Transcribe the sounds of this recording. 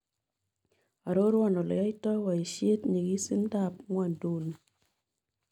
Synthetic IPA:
a˨ɾo˦ɾwɔ˦˨nɔ˨lɔ̰˨ja˦jtɔ˦wa˨i˨ʃe˦tɲi˨ɡi˦si˦n˦da˦˨p̚ŋwa˦˨ndu˨n˨

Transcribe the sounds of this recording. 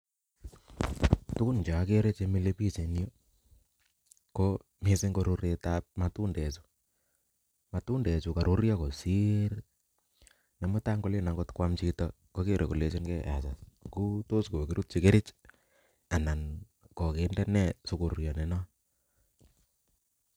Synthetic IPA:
tu˦ku˦nt͡ʃa˨˦ke˦ɾe˦t͡ʃe˦mi˦le˦pi˦t͡ʃe˨njo˦ | ko˦ | mi˦sɪ˦ŋɡo˦ɾo˦ɾe˨tap̚ma˨tu˦ndɛ˨su̥˨ | ma˨tu˦ndɛ˨t͡ʃu˨ka˨ɾʔu˦ɾja˦ko˨si˦ɾ | ne˨mɔ˦ta˦ŋɡo˦le˦na˨ŋɡo˦tkwa˦mt͡ʃi˦tɔ | ko˦ke˦ɾʔe˨ɡu˨le˨t͡ʃɔ˦nkɛ˦ʔa̰˨sa˨sku˦to˦sko˨ki˦ɾu˦t̚t͡ʃe˨ke˦ɾe˦t͡ʃ | a˨na˨n | kɔ˨ke˨ndɛ˦nɛ˦su˨ku˨ɾjɔ˨ne˨nɔ˦

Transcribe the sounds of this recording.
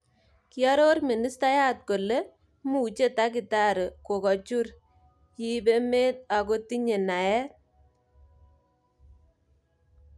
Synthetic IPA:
kiɔ˦ɾo˦rmi˨ni˦sta˦ja˦t̚ko˨le˦ | mu˦˨t͡ʃe˦ta˦ki˨ta˦ɾko˨kɔ˨t͡ʃu˦ɾ | ji˦be˦me˦ta˨ko˦ti˦ɲe˨na˨jɛ˦

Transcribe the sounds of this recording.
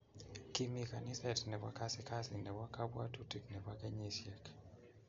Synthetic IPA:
ki˦mi˦˨ka˨nɪ˦sɛ˦˨tnɛ˨wa˦ka˦sɪ˦ka˦sɪ˨nɛ˨wa˦ka˦bwa˦tu˦ti˨knɛ˨wa˦kɛ˦ɲi˦sje˨k

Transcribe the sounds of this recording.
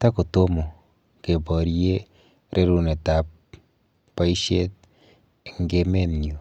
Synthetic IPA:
t̪a˦ko˨to˦mo˨ | ke˨bɔ˨ɾje˦ | ɾʔe˦ɾu˦ne˨ta˨pː | a˦iʃe˦t̪̚ | ŋɡe˦me˦nɲju˨

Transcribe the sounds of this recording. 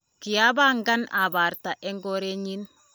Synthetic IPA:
ki˨ja˦ba˦ŋɡa˦na˨ba˨ɾta˨ʔɛ˦ŋɡo˦ɾe˦ɲi˦n

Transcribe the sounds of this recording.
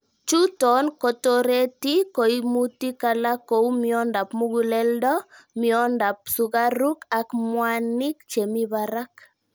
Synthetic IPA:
t͡ʃu˦tɔ˨nkɔ˨toɾe˦ti˦ko˨imuti˦kalako˨umjɔ˦nda˨pmu˦ɡulɛldɔ˦ | miɔnda˨p̚suɡa˦ɾu˦kakmwani˦k̚t͡ʃe˨mi˦baɾak

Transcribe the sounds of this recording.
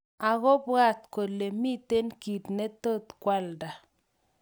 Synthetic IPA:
a˨ɣɔ˦ba˦t̪ko˨le˨mi˦t̪e˦nki˨t̪nɛ˦t̪o˦t̪kwa˦lda˨

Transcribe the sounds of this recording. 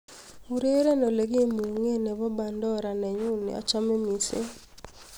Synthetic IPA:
u˨ɾe˦ɾe˦nɔ˨le˨ɡe˦mu˨ŋe˦nɛ˨βɔ˦ba˨ndɔ˦ɾa˨nɛ˨ɲu˦nḛ˨ɔ̰˨t͡ʃa˦me˦mi˨sḛ˦

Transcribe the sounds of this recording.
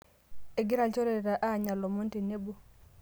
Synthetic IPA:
e˨ɡɪ˦ɾa˨t͡ʃɔ˦ɾe˨ɾa˨ʔa˦˨ɲa˨lɔ˨mo˦n˦te˨ne˦bo˨

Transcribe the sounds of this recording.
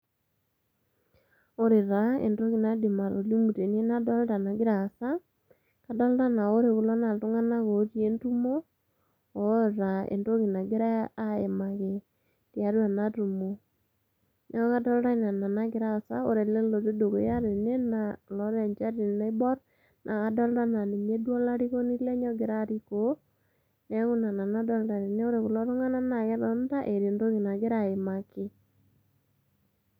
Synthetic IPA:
o˦ɾɪ˨ɾa˨˦ḛ˨ndo˦ki˨na˦di˨ma˨lo̰˨li˦mu˨te˨ne˦na˦dɔ˦lta˨na˨ɡɪ˦ɾa˨sa˦ | ka˨dɔ˦lɾa˦na˨o˦ɾe˨ku˨lɔ˦na˨tu˦ŋa˦na˦ko˨˦ti˦e˦ntu˦mo˦ | o˨˦˨ɾa˨ḛ˨ndo˦ki˨na˨ɡɪ˦ɾa˦a˦e˨ma˨ke˨ | tja˨˦ɾwa˨na˦tu˨mo˨ | nʔe˦ɔ˦ɣa˦dɔ˦lda˦na˨na˨na˦kɪ˨ɾa˦˨sa˦o̰˦ɾe˨le˦lo˨ti˦do˨ko̰˨˦ja˦ɾe˨ne˦na˨lɔ˦ɾɛ˨ɲd͡ʒa˦ɾi˨na˦i˦bɔ˦ɾ | nʔa˨ɣa˨dɔ˦lda˦na˨ni˨me˦dwɔ˦la˦ɾi˦ɣo˦ni˦lɛ˦ɲɔ˦ɡɪ˨ɾa˦ɾi˨ko˨˦ | nɛ˦ɣu˦na˨na˨na˦dɔ˦lda˨ne˨ne˦o˦ɾe˨ɣu˨lɔ˦ɾo˦ŋa˦na˦na˨ɣɛ˦dɔ˦n˦da˦ʔe˨ɾndo˦ɣi˨na˨ɡɪ˦ɾa˨e˨ma˨kɪ˨

